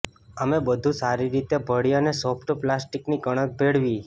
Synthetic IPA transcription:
əmebəd̪ʱũsaɾiɾit̪ebʱəɽijanesopʰʈplasʈiknikəɽ̃ək̚bʱeɽʋi

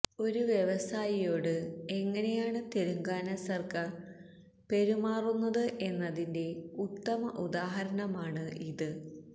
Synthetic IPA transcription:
o̞ɾuʋjeʋɐsaːjijo̞ːɽɨe̞ŋːɐne̞jaːɳɨt̪e̞ɾuŋɡaːnɐsɐrkɐ | pe̞ɾumaːrunːɐðɨʔe̞nːɐðinde̞ut̪ːɐmɐʔud̪aːɦɐɾɐnɐmaːɳɨʔiðɨ

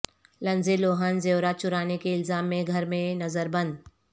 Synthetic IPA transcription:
lɐ̃nzeloːɦənzeːɾat͡ʃʊɾaːnekeɪlzaːmːẽɡʱɐɾmẽnɐzəɾbɐ̃nd̪

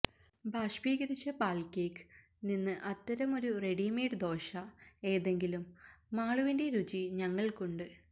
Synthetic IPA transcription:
bʱaːʂbiːɣɐɾit͡ɕːɐpaːlkeːk | ninːɨʔɐt̪ːɐɾɐmo̞ɾure̞ɽiːmeːɖɨd̪o̞ːʂɐe̞ːðe̞ŋɡilumːaːɭuʋinde̞ɾut͡ɕiɲɐŋːɐɭkuɳɖɨ

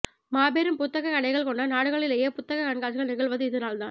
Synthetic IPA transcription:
maːbeːɾɯmpʊt̪ːɐɣɐkɐɽɐɪɣɐɭkɔɳɖɐnaːɽɯɣɐɭɪleːjepʊt̪ːɐɣɐkɐɳɡaːsɣɐɭnɪɣɐɭʋɐðɯɪðɯnaːlt̪ã̰ːn

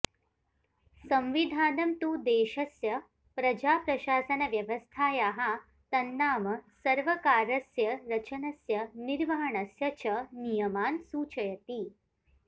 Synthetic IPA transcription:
sɐmʋid̪ʱaːnɐmt̪uːd̪eːʃɐsjɐ | pɾɐd͡ʒaːpɾɐɕaːsɐnɐʋjɐʋɐst̪ʰaːjaɦa | t̪ɐnːaːmɐsɐɾʋɐkaːɾɐsjɐɾɐt͡ʃɐnɐsjɐniɾʋɐɦɐɳɐsjɐt͡ʃɐnijɐmaːnsuːt͡ʃɐjɐt̪iː

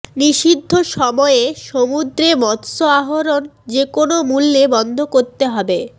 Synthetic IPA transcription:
niʃid̪ʱːoʃɔmɔeeʃomud̪ɾemɔt̪soaɦoɾond͡ʑekonomulːebɔnd̪ʱokoɾt̪eɦɔbe

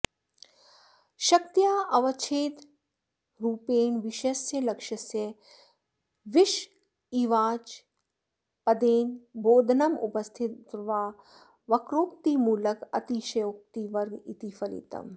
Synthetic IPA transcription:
ʃɐk̚t̪ijaːʔɐʋɐt͡ʃʰeːt̪ | ɾuːpeːnʋɪʃesjɐlɐkʃɐsjɐ | ʋɪʃ | iʋaːt͡ʃ | pɐd̪eːnbʱoːd̪ʱnɐmʊ̰pɐst̪ʰɪt̪ʋaː | ʋɐkɾoːkt̪imuːlɐkɐ̰t̪iʃɐjoːk̚t̪iʋɐɾɡit̪ifʰɐɾḭt̪ɐ̰m

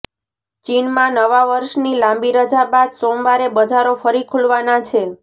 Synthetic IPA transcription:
t͡ʃinmãnəʋaʋəɾʃnilãmbiɾəd͡ʒabad̪somʋaɾebəd͡ʒaɾofəɾikʰulʋanat͡ʃʰe

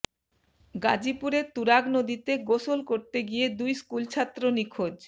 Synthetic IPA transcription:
ɡad͡ʑipuɾeɾt̪uɾaɡnod̪it̪eɡoʃolkoɾt̪eɡijed̪ujskult͡ɕʰat̪ːɾonikʰod͡ʑ

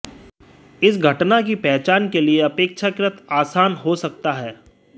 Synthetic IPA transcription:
ɪsɡʱɐʈnak̬ipɛːt͡ʃaːnkelieɐpeːkʃakɾɪt̪aːsaːnɦosɐk̚t̪aɦɛː

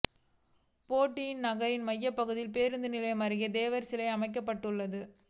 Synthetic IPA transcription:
poːʈːɪjɪnnɐɣɐɾɪnmɐjːɐpːɐɣɯðɪlpeːɾɯnd̪ɯnɪlɐɪmɐɾɯɣɐd̪eːʋɐɾsɪlɐɪɐmɐɪk̬ːɐpːɐʈːɯɭːɐðɯ

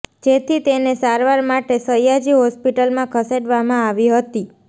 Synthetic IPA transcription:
d͡ʒet̪ʰit̪enesaɾʋaɾmaʈesəjad͡ʒiɦɔspiʈəlmãkʰəseɖʋamãaʋiɦət̪i

